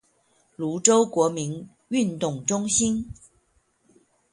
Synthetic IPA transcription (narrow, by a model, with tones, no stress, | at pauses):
lu˧˥ʈ͡ʂo˥ʊkwɔ˧˥mi˧˥n | y˥˧nt̪ʊ˥˩ŋʈ͡ʂʊ˥ŋɕi˥n